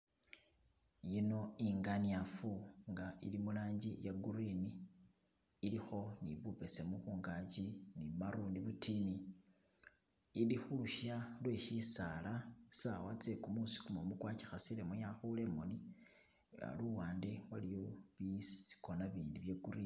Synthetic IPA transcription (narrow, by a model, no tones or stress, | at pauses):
jino̞iŋɡaniafuŋɡaḭlimulaːɲɟijaɡuɾiniː | lixo̞niβupe̞se̞muxuːŋɡat͡ʃinimaɾuːndiβutini | ilixuluʃalwe̞ʃisalasawat͡se̞kumusi̥kumomukwaːci̥xasilemojaxule̞moni | a̰luwaːnde̞walijo̞βisi̥konaβiːndiβjeɡuɾi